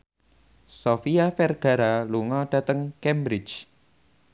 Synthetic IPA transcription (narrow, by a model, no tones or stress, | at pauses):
sofiafɛrɡ̥a̤ɾaluŋɔd̥a̤t̪əŋkɛmbɾɪt͡ʃ